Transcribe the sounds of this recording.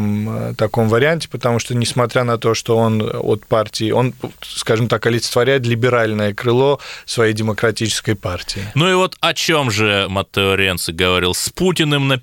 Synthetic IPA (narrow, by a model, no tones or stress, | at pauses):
mt̪ɐko̞mvəɾʲɪanʲtʲɪ̥pət̪ɐmuʂt̪onʲɪsmɐt̪ɾʲanɐt̪o̞ʂt̪o̞o̞no̰t̪partʲɪɪʔo̞nskaʐɨmt̪akɐlʲɪt̪st̪vɐɾʲæjɪt̪lʲɪbʲɪɾalʲnəjəkɾɨlˠo̞svɐjejdʲɪməkɾɐtʲit͡ɕɪ̥skəjpartʲɪɪnuɪvo̞t̪ɐt͡ɕo̞mʐɨmɐt̪ːəoɾʲent̪sɨɡəvɐɾʲilˠsʲputʲɪnɨmnə